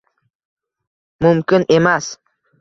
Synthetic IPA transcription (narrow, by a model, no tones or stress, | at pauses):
mʊmkʲɪne̞mas